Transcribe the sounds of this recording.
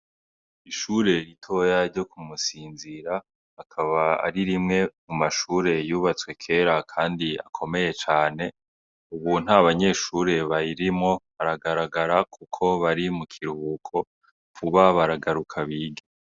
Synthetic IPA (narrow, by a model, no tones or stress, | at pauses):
iʃuːɾe̞ɾitʰo̞jaɾɟo̞kumusiːnziɾaː | kʰaβaa̰ɾiɾimŋe̞mumaʃuːɾe̞juːβat͡swe̞kʰe̞ːɾakʰaːndia̰kʰo̞me̞je̞t͡ʃaːne̞ | uβun̥haβaɲe̞ːʃuɾe̞βaiɾimŋo̞βaɾaɡaɾaɡaɾakʰukʰo̞βaɾimukʰiɾuukʰo̞ | kuβaβaɾaɡaɾukʰaβiːɡe